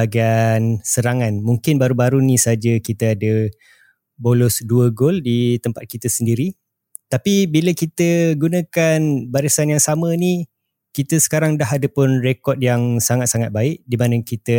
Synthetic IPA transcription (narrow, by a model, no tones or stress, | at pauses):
aɡiansəɾaŋãnmuŋkɪnbaɾubaɾunĩsad͡ʒəkit̪əadə | bolɔsduəɡoldit̪əmpat̪̚kit̪əsəndiɾi | t̪apibiləkit̪əɡunə̃kanbaɾəsanjaŋsamə̃ni | kit̪əsə̥kaɾaŋdaɦadəpʊnrekɔt̪̚jaŋsaŋat̪̚saŋat̪̚baɪʔdimãnə̃kit̪ə